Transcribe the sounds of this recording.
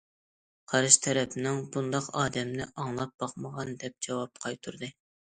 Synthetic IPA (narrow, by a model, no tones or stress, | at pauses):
qʰɑɾɨʃt̪ʰɛɾɛpʰɪnɪŋbund̪ɑqɑːd̪ɛmnɪʔɑŋlˠɑp̚bɑqməʁɑnd̪ɛp̚d͡ʒɑwɑp̚qʰɑjt̪ʰuɾd̪ɨ